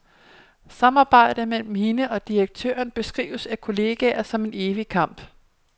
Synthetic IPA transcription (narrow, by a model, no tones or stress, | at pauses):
sɑ̈mɑ̈ːb̥ɑ̈ɪ̰d̥əmel̰m̩he̝nəʔɒ̽d̥iɐɡ̥̚t͡sʰø̰ːɐnb̥e̝sɡ̥ʁḭːʊəsækʰo̝le̝ːɡ̥æɐsɒ̽me̝ne̝ːʋikʰɑ̈m̰b̥